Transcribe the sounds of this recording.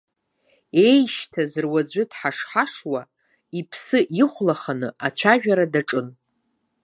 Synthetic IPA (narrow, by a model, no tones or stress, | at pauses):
e̞jʃtʰazɨrwad͡zʷʏdħaʂħaʂwa | ipʰsɨʔiχʷlaχanɨat͡ɕʷʰaʒᶣaɾadaʈ͡ʂʼɨn